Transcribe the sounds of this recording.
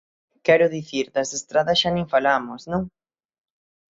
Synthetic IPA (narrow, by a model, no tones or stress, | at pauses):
kɛɾʊðiθiɾdɐsest̪ɾaðɐsʃanẽŋfalamʊsnõŋ